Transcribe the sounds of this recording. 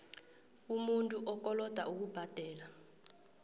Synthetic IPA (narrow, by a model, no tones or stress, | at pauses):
umuntʼuʔɔk̬ʼɔlɔd̥ʱaʔuk̬ub̥ʱad̥ʱɛːla